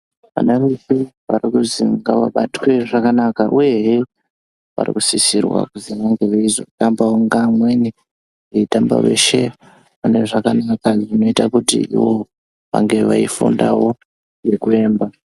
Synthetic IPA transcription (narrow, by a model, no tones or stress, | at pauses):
ʋa̰naʋisiʋarikuziŋɡaʋaɓatwe̞ʐakanakaʔuje̞ɦe | ʋa̰rḭkusisirwa̰kuziʋaŋɡe̞ʋaizo̞̰tambawoŋɡamwe̞ni | eitamba̰ʋe̞̰ʃe̞ | paneʐakanakaʐino̞itakutḭiwo̞ | ʋa̰ŋɡe̞ʋa̰ifṵndawo̞ | nɡekue̞ːmba